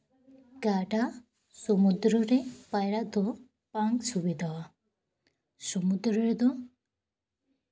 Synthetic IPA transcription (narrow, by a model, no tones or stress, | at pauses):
ɡaʈa | sɔmud̪ɾɔɾepajɾaʔd̪ɔ | paŋɡsubid̪ʱawa | sɔmud̪ɾɔɾed̪ɔ